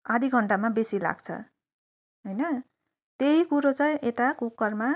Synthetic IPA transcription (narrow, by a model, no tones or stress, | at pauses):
ad̪ʱiɡʱʌɳʈamabesila̰ɡt͡sʰʌ̰ | ɦojnʌ | t̪eɦikuɾot͡saĩʔet̪akukːʌrma